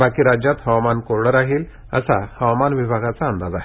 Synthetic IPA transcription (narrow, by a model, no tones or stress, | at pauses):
bakiːɾad͡ʑjat̪həʋmankoɾɽəɾaɦiːl | ə̰sa̰həʋamanʋibʱaɡat͡saənd̪ad͡zaɦe